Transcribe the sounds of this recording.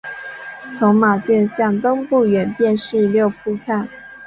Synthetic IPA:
t͡sʰʊ˧˥ŋma˨˩t̪ɥɛ˥˧nɕjɑ˥˩ŋt̪o˥ŋpu˥˩ɥɛ˨˥npjɛ˥˧nʂɻ̩˥˧ljo˥˧ʊpʰu˥˧kʰa˥˩n

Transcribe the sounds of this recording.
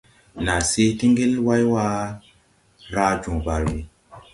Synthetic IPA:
na˨se˦ti˦ŋɡe˦lwa˦jwa˦ | ɾa˦d͡ʒũ˨ba˨ɾi˨

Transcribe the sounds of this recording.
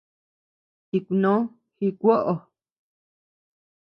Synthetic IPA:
hi˧ku˧nõ˦ | hi˧kʷo˦ʔo˨˧

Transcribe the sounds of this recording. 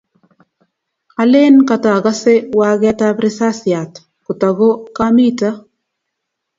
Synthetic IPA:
a˨le˦nka˨ta˨a˨ɡa˦se˦wa˦ɡa˦ta˦bɾɪ˦sa˦sɪa˨t | ku˨ta˨ɡo˦ka˦mi˦ta˦

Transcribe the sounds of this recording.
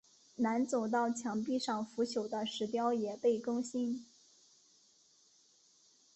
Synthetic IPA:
na˧˥nt͡so˨˩ʊt̪̬ɑ˥˩ʊt͡ɕʰjɑ˧˥ŋpi˥˧ʂɑ˥˩ŋfu˧˥ɕʰjo˨˩ʊd̪ə˦ʂɻ̩˧˥t̪jɑ˥ʊjɛ˨˩pe˥˩ɪkɤ˥ŋɕi˥n

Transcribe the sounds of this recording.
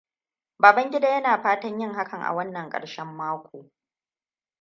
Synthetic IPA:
baː˨bɐ˦ŋɡʲɪ˦daː˦jɐ˦naː˨ɸaː˦tɐ˦ɲjɪ˦ŋɦa˦kɐ˨ŋʔa̰˨wɐ˦nːɐ˨ŋkʼɐ̰˨ɽʃɛ˦mːaː˦kʷoː˨

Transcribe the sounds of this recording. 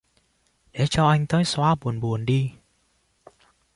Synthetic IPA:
ɗḛ˨˦t͡ɕɔ˧ʔa˧jŋ̟t̪əː˨˦jswaː˧ɓu˨˩ənɓu˨˩ənɗi˧

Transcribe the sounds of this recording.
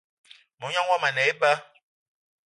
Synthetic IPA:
mɔ˨˦ɲɔ̃˦ŋwɔ˦ma˨nɛ˨˦i˦ba˦

